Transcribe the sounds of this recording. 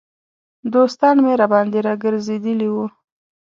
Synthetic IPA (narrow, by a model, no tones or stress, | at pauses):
d̪ost̪ɑnmeɾabɑnd̪eɾɑɡəɾzed̪əliwu